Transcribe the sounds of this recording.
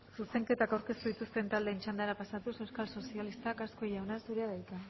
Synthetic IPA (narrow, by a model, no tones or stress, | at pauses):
suse̞ŋke̞t̪akawɾke̞st̪uðit̪ust̪e̞nt̪ald̪e̞ːnt͡ʃand̪aɾapasat̪use̞wskalso̞sialist̪akasko̞jawnasuɾeaðajt̪a